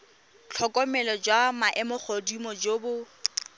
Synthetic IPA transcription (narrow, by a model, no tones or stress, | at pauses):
t͡ɬʰɔkʼɔmɛlɔd͡ʒwamaʔɛmʊk͡xʰodimɔd͡ʒoːbʊ